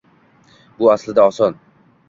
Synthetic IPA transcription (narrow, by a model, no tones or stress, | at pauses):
bʊaslɪd̪aɒsɒn